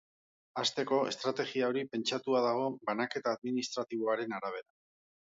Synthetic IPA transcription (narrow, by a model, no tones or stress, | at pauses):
ast̪e̞ko̞e̞̰st̪ɾat̪e̞ɣiao̞ɾipe̞nt͡ʃat̪uaðaɣ̞o̞banake̞t̪aːðminist̪ɾat̪iβ̞o̞aɾe̞naɾaβ̞e̞ɾa